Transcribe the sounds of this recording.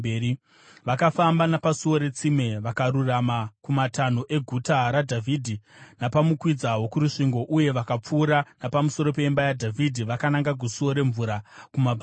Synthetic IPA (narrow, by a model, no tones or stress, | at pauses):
eːi | ʋakafambanapasuo̞ɾe̞t͡sime̞ʋakaɾuramakumatan̤uʔe̞ɡʱutaɾadʱavʱidʱinapamukwid͡zaɦo̞kuɾuʂiŋɡo̞ʔuje̞ʋakap͡fuːɾanapamuso̞ɾo̞pe̞imbajadʱavʱidʱiʋakanaŋɡaɡʱusuo̞ɾe̞ɱvuɾakumabʱ